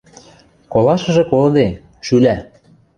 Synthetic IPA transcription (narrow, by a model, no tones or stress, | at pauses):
kolɑʃɤ̆ʒĕkold̪e | ʃylæ